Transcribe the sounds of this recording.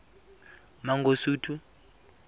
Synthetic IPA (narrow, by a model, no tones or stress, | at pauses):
maŋɡosuːtʰu